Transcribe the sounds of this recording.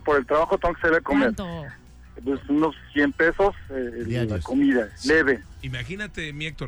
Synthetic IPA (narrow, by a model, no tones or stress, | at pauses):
poɾelt̪ɾaβaxot̪eŋɡokeseko̞meɾ | pesunosːjempe̞soselːakomiðaleβeimaxinat̪emiek̚t̪o